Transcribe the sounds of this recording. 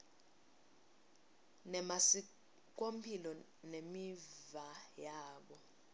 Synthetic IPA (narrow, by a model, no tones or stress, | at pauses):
nɛmasi | k̬ompʰilɔ | nemivajaːɓɔ